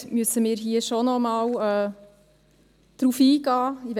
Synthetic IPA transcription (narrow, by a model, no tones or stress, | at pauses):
myəsəmɪːɾɦiəʃonɔmɑːwɛː | d̪̥ɾufiːɡɑːiʋ